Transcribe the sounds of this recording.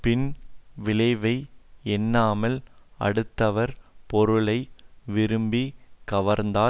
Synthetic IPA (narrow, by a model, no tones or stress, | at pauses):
pɪnʋɪlɐɪʋɐɪɛnːaːmɐlɐ̰ɽɯt̪ːɐʋɐɾpɔɾɯɭɐɪʋɪɾɯmbikɐʋɐɾnd̪aː